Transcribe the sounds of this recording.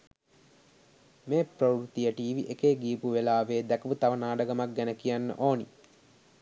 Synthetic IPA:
meːpɾəwɾut̪ijəʈiːʋiʔekeːɡiːpuʋelaːʋeːd̪ækəʋut̪aʋənaːɖəɡɐmak̚ɡænəkijanːə̰ʔoːnḭ

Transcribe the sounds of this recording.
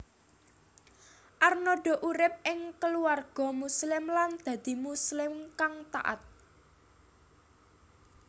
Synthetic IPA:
ʔarnɔɖ̥ɔ̤ʔuɾɪp̚ʔɪŋkəluarɡ̥ɔ̤muslɪmland̪̥ä̤d̪̥i̤muslɪmkaŋt̪aʔa̰t̪̚

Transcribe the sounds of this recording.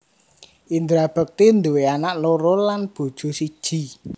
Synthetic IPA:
ʔind̪ɾab̥ə̤k̚t̪ind̪uweanaʔloɾolanb̥o̤d̥ʒ̥o̤sid̥ʒ̥i̤

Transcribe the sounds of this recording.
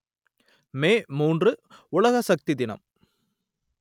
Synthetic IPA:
meːmuːndrɯʊɭɐɣɐsɐk̚t̪ɪd̪ɪnɐ̰m

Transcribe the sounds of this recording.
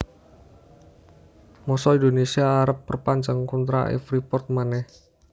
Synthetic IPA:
mɔsɔind̪onesiaːɾəpːərpaɲd͡ʒaŋkunt̪ɾa̰ʔɛ̰fɾipɔrt̪̚manɛh

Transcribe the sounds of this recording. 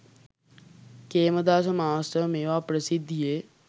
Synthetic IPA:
keːməd̪aːsɐmaːst̪əmeːʋaːpɾɐsɪd̪ʱːijeː

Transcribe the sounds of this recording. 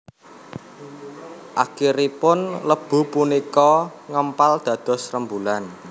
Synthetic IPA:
ʔakiɾipʊnləb̥ṳpunikɔŋəmpald̪̥ä̤d̪̥ɔ̤srəmbulan

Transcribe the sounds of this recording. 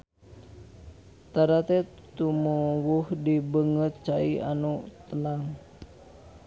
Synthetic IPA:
t̪aɾat̪ɛ | t̪umuwuhdibəŋət̪̚t͡ʃaia̰nut̪ənaŋ

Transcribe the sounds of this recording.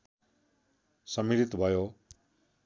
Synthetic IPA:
sʌmiɾit̪bʱʌjo

